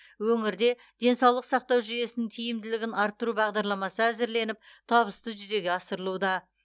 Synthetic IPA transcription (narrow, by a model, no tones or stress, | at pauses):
wɵŋɪɾd̪e̞ | d̪̥e̞nsɑwlˠəqsɑq̚t̪ɑwʒʏje̞sɪnɪŋt̪ʰijɪmd̪ɪlɪɡʲɪnɑɾt̪ːəɾubɑʁd̪ɑɾlˠɑmɑsəæzɪɾle̞nɪp̚t̪ʰɑβəst̪əʒʏze̞ɡʲe̞ɑsəɾəlˠud̪ɑ